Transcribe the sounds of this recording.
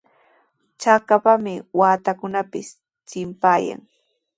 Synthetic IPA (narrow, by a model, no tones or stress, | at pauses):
t͡ʃakapamɪwaːt̪akʊnapɪs | t͡ʃɪmpaːja̰ŋ